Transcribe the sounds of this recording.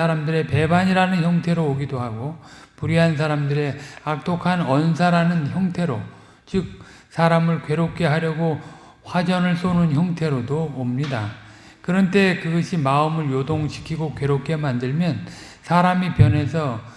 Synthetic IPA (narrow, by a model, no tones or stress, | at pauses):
aɾamdɯɾe̞pe̞baɲiɾanɯnçjʌŋtʰe̞ɾooɡidoɦaɡo | puɾiɦans̬ʰaɾamdɯɾe̞ak̚t͈ʰokʰanʌns̬ʰaɾanɯnçjʌŋtʰe̞ɾo | t͡ɕɯk̚ | sʰaɾamɯɭkɥwe̞ɾok̚k͈e̞ɦaɾjʌɡo | ɸwad͡ʑʌnɯɭs͈onɯnçjʌŋtʰe̞ɾodoːmɲida | kɯɾʌnt͈e̞kɯɡʌɕʰimaɯmɯɭjodoŋɕʰi̥kʰiɡokwe̞ɾok͈̚ʰe̞mandɯɭmjʌn | sʰaɾamipjʌne̞s̬ʰʌ